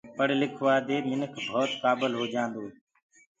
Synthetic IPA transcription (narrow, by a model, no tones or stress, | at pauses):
pəɽlɪkʰʋaːd̪eːmɪnəkʰbʱɔːt̪kaːbəlɦoːd͡ʒãːnd̪oːɦ